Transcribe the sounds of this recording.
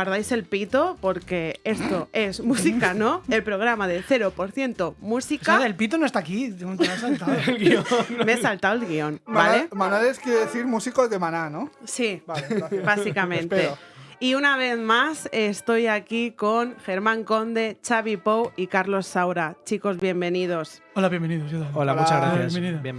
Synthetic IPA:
aɾðajse̞lpit̪o̞po̞ɾke̞est̪o̞e̞zmusikano̞elpɾo̞ɣ̞ɾamaðe̞θe̞ɾopo̞ɾθje̞nt̪o̞musikaelpit̪onoest̪akisat̪aiomeesalt̪awelɣio̞nbalemanaleskjeɾeðeθiɾmusikokemananosi | basikamẽnt̪eiunaβ̞e̞θmasest̪o̞jakikoŋxe̞ɾmãŋko̞nd̪e̞t͡ʃaβipowikaɾlo̞sːawɾat͡ʃiko̞zβjembe̞nið̞o̞s | olaβjembeniðojoðaolamut͡ʃazɣɾajameni

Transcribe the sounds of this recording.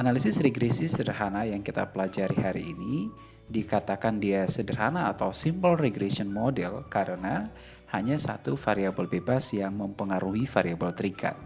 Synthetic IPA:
ʔanalisɪsreɡɾesisədərɦanajaŋkit̪a̰pəlad͡ʒaɾihaɾḭːni | dikat̪akandiasədərɦanaːt̪awsimbəlreɡɾesiɔnmodɛlkaɾəna | haɲasa̰t̪ufaɾiabəlbebasjaŋməmpəŋaɾuɦifaɾiabəlt̪əɾika̰t̪̚

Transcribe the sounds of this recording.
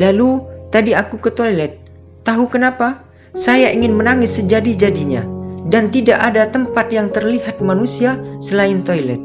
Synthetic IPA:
lalut̪adiakukət̪ojlɛt̪̚ː | aɦukənapa | sajaʔiŋɪnmənaŋɪsːəd͡ʒadid͡ʒadiɲa̰dant̪idaʔadat̪əmpat̪̚jaŋt̪ərliɦat̪̚manusia | səlaɪnt̪ojlɛt̪̚

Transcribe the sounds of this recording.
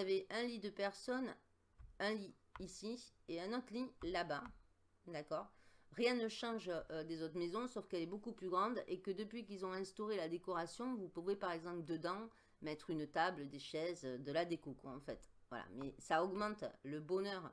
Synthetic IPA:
aveʔɛ̃lid̪əpɛʁsɔn | ɛ̃liː | sieɛ̃nɔt̪χlilaba | d̪akɔʁʁjɛ̃nəʃɑ̃ʒød̪ezot̪χmezɔ̃sɔfkɛlɛbokuplyɡʁɑ̃d̪ekəd̪əpɥikilzɔ̃ɛ̃st̪ɔʁelad̪ekɔʁasjɔ̃vupuvepaʁɛɡzɑ̃pld̪əd̪ɑ̃ | mɛt̪χynt̪abld̪eʃɛzød̪əlad̪ekɔkɔ̃ɑ̰̃fɛ̰t̪vwa̰la̰mɛsaɔɡmɑ̃t̪ləbɔnœʁ

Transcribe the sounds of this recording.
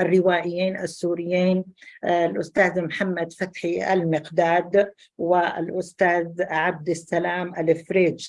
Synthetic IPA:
ʔarːɪwaːʔɪjːiːnʔasːuːɾɪjːiːnlʔʊst̪aːðmħamːad̪fat̪ħiʔa̰lmɪqd̪aːd̪ | wɪ̰lʔʊst̪aːðʕab̚d̪asːalaːmʔalɪfɾeːd͡ʒ

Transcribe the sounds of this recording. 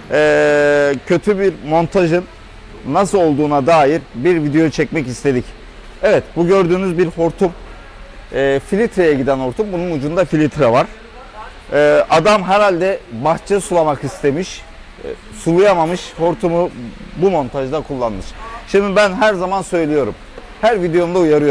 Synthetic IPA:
ɛːcʰø̞t̪ʰybiɾmo̞nt̪ʰaʒɯnː | asɯlˠo̞lˠd̪uːnad̪aːjiɾbiɾvid̪ejot͡ʃʰɛcmɛcist̪ʰe̞d̪ic | ɛvɛt̪buɟøɾd̪yːnyzbiɾho̞ɾt̪ʰum | ɛːfilʲit̪ɾejɛɟid̪æno̞ɾt̪ʰumbununud͡ʒund̪afilʲit̪ʰɾavaɾ̥ | ɛːad̪amɦɛɾhalʲd̪ɛbaxt͡ʃʰɛsulˠamakist̪ʰe̞miʃ | sulˠujamamɯʃho̞ɾt̪ʰumubumo̞nt̪ʰaʒd̪akʰulˠːanmɯʃʃimd̪ibænɦæɾzamansø̞jlʲijo̞ɾṵm | hæɾvid̪ejo̞nd̪aujaɾɯjo

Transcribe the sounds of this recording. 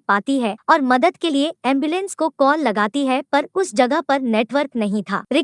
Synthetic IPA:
paːt̪iɦɛɔːɾmɐd̪əd̪kelieɛ̃ːmbjulə̃nskokɔːlːɐɡaːt̪iɦɛpɐɾʊsd͡ʒɐɡəɦpɐɾneːʈwʋəɾknɐɦĩt̪ʰa̰ːɾɪ

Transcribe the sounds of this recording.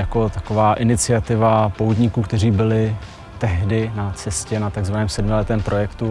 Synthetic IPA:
jako̞t̪ako̞vaːʔɪnɪt͡sɪat̪ɪvapowd̪ɲikuːkt̪ɛriːbɪlɪ | t̪ɛɦdɪnat͡sɛscɛnat̪aɡzvanɛːmsɛdmɪlɛt̪ɛːmpɾo̞jɛkt̪u

